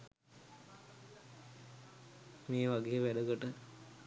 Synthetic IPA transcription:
meːʋaɡeːʋæɖəɡəʈə

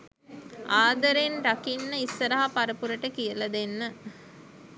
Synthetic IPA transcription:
aːd̪ɐɾenɾɐkinːəisːɐɾɐɦapɐɾɐpuɾɐʈəkijɐlɐd̪enːə

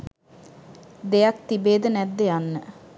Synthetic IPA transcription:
d̪eak̚t̪ibeːd̪ənɛt̪ːeanːə

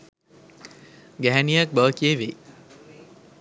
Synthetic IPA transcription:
ɡæɦænijak̚bəʋəkieʋe

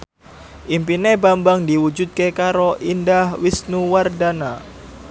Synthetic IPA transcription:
ʔimpinebambaŋdiwud͡ʒut̪̚kekaɾoʔindahwisnuwardana

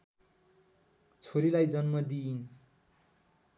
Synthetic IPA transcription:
t͡sʰoɾilajd͡zʌnmʌd̪iːn

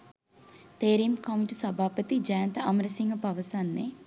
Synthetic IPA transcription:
t̪eːɾimkɐmuʈəswɐbʱaːpət̪id͡ʒajnt̪əɐmɾəsiŋɡəpaʋəsanːe

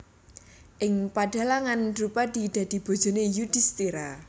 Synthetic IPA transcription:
ʔɪŋpaɖ̥a̤laŋandɾupad̪̥id̪̥ä̤d̪̥i̤b̥o̤d̥ʒ̥o̤nejud̥ist̪iɾa

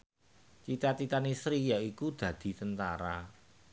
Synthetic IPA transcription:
t͡ʃit̪at͡ʃit̪anisɾijaikud̪̥ä̤d̪̥i̤t̪ənt̪aɾa

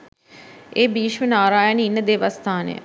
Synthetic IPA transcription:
eːbiːʃʋənaːɾaːjəniinːəd̪eʋəst̪ʰaːnḛjə̰

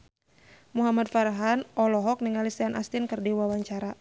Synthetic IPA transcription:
muɦamad̚faɾɦanʔɔlɔɦɔk̚niŋalisɛanʔa̰st̪ɪnkɨrdiwawaɲt͡ʃaɾa

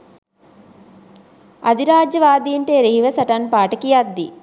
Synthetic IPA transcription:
ɐd̪iɾaːd͡ʒjɐʋaːd̪iːɳʈeɾeɦiʋɐsɐʈanpaːʈɐkijad̪ːḭ

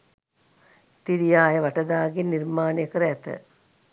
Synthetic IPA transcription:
t̪iɾijaːjɐʋɐʈɐd̪aːɡinːirmaːnɐjɐkɐɾɐɛt̪ə̰

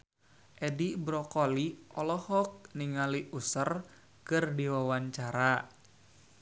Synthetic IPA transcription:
ʔɛdibɾɔkɔliʔɔlɔhɔk̚niŋaliʔusər | kɨrdiwawaɲt͡ʃaɾa

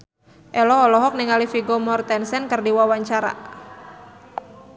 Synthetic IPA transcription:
ʔɛlɔːlɔɦɔk̚niŋalifiɡomɔrt̪ɛnsɛnkərdiwawaɲt͡ʃaɾa̰

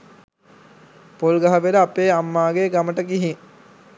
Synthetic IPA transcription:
polɡaɦɐʋeləːpeːamːaːɡeːɡaməʈəkiɦiŋ

